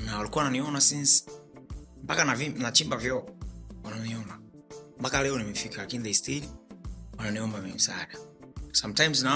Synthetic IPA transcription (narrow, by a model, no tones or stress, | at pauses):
nawalikuawananiɔnasins | mpakanavinat͡ʃimbavjɔwananiɔna | mpakalɛɔnimɛfikʰalakiniðestilwananiɔmbamimisanasamtajmzna